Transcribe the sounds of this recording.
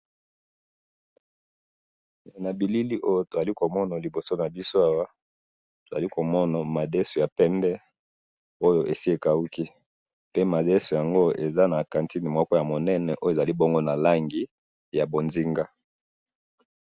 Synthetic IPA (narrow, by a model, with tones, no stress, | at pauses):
na˨bi˨li˦li˦ʔo˦jo˦to˨za˨li˦ko˨mɔ˦na˨li˨bo˨so˦na˨bi˦so˦a˦wa˦ | to˨za˨li˦ko˨mɔ˦na˨ma˨dɛ˦so˨ja˨pɛ˦mbɛ˦ | o˦jo˦ʔe˨si˦e˨ka˨u˦ki˦ | pe˦ma˨de˦so˨ja˨ŋɡo˦ʔe˨za˦na˨kã˨nti˦ni˨m˦ɔ˦kɔ˦ja˨mo˨nɛ˦nɛ˨ʔo˦e˨za˨li˦bɔ˦ŋɡo˦na˨la˦ŋɡi˨ | ja˨bo˨nzi˦ŋɡa˦